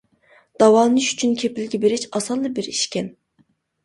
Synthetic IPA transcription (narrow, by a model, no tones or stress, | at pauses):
d̪̥ɑwɑːnɨʃy̥t͡ʃʰynkʲʰepɪlɡʲɛbeɾɪt͡ʃɑsɑlˠːɨbɪɾiʃkʲɛn